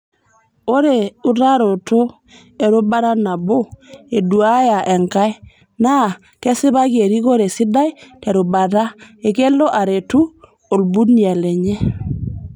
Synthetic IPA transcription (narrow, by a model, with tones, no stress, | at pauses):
o˦ɾe˨u˦ta˦ɾo˨to˦ | e˨ɾo˦ba˦ɾa˦na˨bo˦e˨du˨a˦ja˨ʔe˨ŋka˦j | na˦˨ | ke˦sɪ˦ba˦ɡe˨ɾi˦ɣo˦ɾe˨si˦da˦jte˨ɾu˨ba˨ta˦e˨ke˦lo˦ʔa˨ɾe˨tu˦ | o˨lbu˦ni˦˨a˨le˨ɲɛ˦